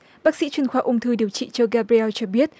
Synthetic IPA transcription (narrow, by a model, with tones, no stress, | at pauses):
ɓaː˦˥k̚sḭ˧˥t͡ɕwi˧ənxwaː˧˩ʔʊ˧ŋ͡mt̪ʰɨ˧ɗi˨˩əwt͡ɕḭ˧˨t͡ɕɔ˧ɣaː˧bɾi˧ʔɛ˧wt͡ɕɔ˧ɓi˦˥ət̚